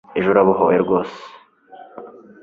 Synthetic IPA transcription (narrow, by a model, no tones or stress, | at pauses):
eʒuɾaβuɦojeɾɡo̞ːse̥